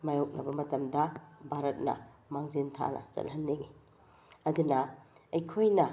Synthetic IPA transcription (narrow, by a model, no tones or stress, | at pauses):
majok̚nɐbɐmɐtɐmdɐbʱaɾɐt̚nɐ̰ | maŋzintʰa̰nɐ̰sɐ̰lhɐnːeŋi | ɐd̪unɐɐjkʰojnɐ